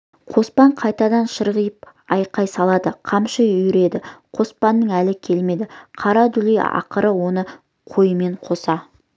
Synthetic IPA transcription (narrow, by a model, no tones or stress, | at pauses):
qʰo̞spɑɴqʰɑjt̪ɑd̪ɑnʃəɾʁəjəp̚ | ɑjqɑjsɑlˠɑd̪əqʰɑmʃəʏɾe̞d̪ɪqʰo̞spɑnːəŋælɪkʲʰe̞lme̞d̪ɪqʰɑɾɑd̪ʏlijɑ̰qəɾəwo̞nə | qʰo̞jəme̞ɴqʰo̞sɑ